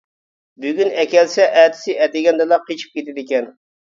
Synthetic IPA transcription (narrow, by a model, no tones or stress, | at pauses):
byɡʲynɛkʲɛlsɛʔɛt̪ʰɪ̥sɪʔɛd̪ɪɡʲɛnd̪ɨlˠɑqʰːet͡ʃʰi̥p̚kʲet̪ɪd̪ɪkʲɛn